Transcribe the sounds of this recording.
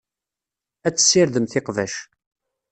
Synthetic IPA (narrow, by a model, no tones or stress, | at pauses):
æt͡sːə̥sːɪɾðəmθɪqvæ̰ʃ